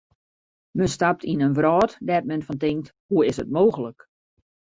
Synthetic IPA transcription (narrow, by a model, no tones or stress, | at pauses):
mənstap̚tʰinənʋrɔːtdɛt̚mɛnfɔntɪŋk̚thuɪsətmoːxələk